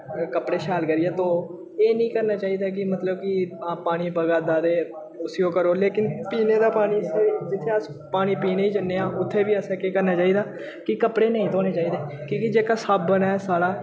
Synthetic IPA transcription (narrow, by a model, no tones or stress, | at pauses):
kəpɽeːʃaːlkəɾijaːt̪õː | eːnĩːkəɾnaːt͡ʃaːiːd̪aːk̬ɪmət̪ləbkɪ̃ːpaːɽ̃iːbəɡaːd̪aːd̪eː | ʊsiːoːkəɾoːleːkɪnpiːneːd̪aːpaːniːsed͡ʒɪt̪ʰːeːəs | paːɽiːpiːneːiːd͡ʒənːeːãːʊt̪ʰːeːʋiːəsɛːkeːkəɾnaːt͡ʃaːiːd̪aː | kɪkəpɽeːnə̃ĩːt̪ʰoːneːt͡ʃaːiːd̪eːkikɪd͡ʒeːkaːsaːbːənɛːsaːɽaː